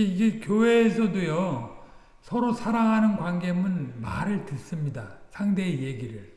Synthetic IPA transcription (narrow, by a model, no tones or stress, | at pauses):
iɡekjowe̞ːsʰʌdojʌ | sʰʌɾosʰaɾaŋɦanɯnɡwanɡe̞mɯnma̰ɾɯɭtɯs͈ɯmɲidasʰaŋde̞ːje̞ɡiɾɯɭ